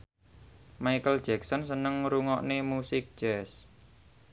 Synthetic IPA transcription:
maijkəld̥ʒ̥ɛksɔnsənəŋɾuŋɔʔnemusɪk̚d͡ʒ̥ɛs

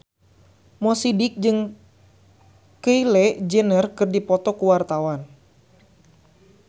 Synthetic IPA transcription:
mɔsidik̚d͡ʒɨŋ | kəilɛd͡ʒənərkɨrdipɔt̪ɔkuwart̪awan

